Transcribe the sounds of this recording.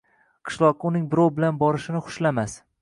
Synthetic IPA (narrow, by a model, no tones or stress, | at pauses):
qʰɨ̥ʃlˠɒqʊnɪŋbɪɾowbɪlanbɒɾɪʃɪnɪχʊ̥ʃlamas